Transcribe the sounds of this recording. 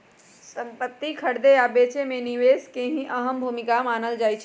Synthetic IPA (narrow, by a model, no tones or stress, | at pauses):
sə̃mpət̪ːikʰəɽd̪ejabeːt͡ʃemẽniʋeːskẽɦĩʔəɦəmbʱuːmɪkamaːnəld͡ʒaːit͡ʃʰ